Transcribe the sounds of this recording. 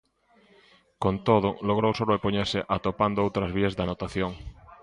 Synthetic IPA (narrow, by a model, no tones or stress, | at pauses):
kont̪oð̞ʊloɣ̞ɾowsoloepoɲeɾsɪʔat̪opand̪oowt̪ɾɐzβ̞iezðanot̪aθjoŋ